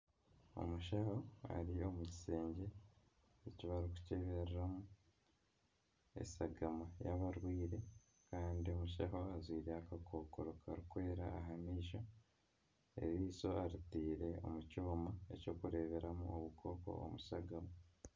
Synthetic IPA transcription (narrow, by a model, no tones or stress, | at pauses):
o̞̰muʃaho̞a̰ɾio̞muci̥se̞ːɲɟe̞ | eciβaɾiku̥ce̞βeɾɾamu | e̞̰saɡamajaβaɾwiːɾe̞ | kaːndio̞muʃaɦo̞azwiːɾeakako̞ːkoɾo̞kaɾikwe̞ːɾa̰aɦamiːʃo | ḛɾiːso̞aɾitiːɾe̞o̞̰mucoːmaeco̞kuɾe̞ːβe̞ɾamṵʔoβukʰo̞ːko̰o̰musaɡama